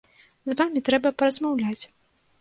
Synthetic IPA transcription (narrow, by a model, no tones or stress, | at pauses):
zvamʲit̪ɾɛbɐpɐɾɐzmawlʲat͡sʲ